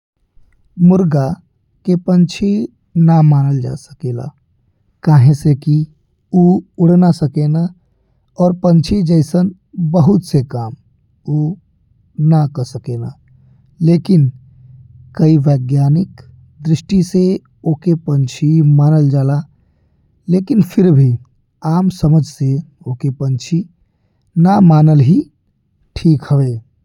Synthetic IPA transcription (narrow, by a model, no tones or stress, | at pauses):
mʊɾɡa | kepənt͡ʃʰe | namaːnəld͡ʒa̰ːsə̥keːla̰ | kaːɦẽseki | uʊɽ̤nasəkena | ɔːɾpə̃nt͡ʃʰed͡ʒəɪsən | bəɦʊt̪sekaːm | u | nakəɾsəkeːna̰ | leːkɪn | kəiʋeːɡjaːnɪk | d̪ɾɪsʃʈise | oːkepənt͡ʃʰimaːnəld͡ʒaːla | leːkɪnpʰɪɾbʱi | aːmsəməd͡ʒʱse | okepə̃nt͡ʃʰi | namaːnəlɦi | ʈʰiːkɦəʋe